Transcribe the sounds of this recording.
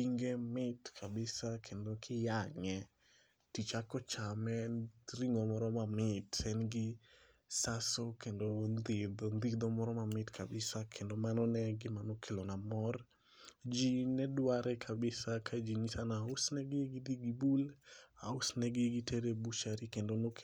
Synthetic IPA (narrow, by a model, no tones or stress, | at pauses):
iŋɡemɪtkʰabɪsakʰendokʰɪjaŋɛ | tit͡ʃakɔt͡ʃamɛɾiŋomɔɾɔmamɪtɛnɡɪ | sasokendond̪ɪd̪ɔnd̪id̪ɔmɔɾɔmamɪtkʰabɪsakʰendomanɔnɛɡɪmanɔkʰelonamɔr | d͡ʒinɛdwaɾɛkʰabɪsakʰad͡ʒiɲisanaʊsnɛɡɪɡɪd̪iɡibulaʊsnɛɡɪɡɪtʰeɾebut͡ʃaɾikendonok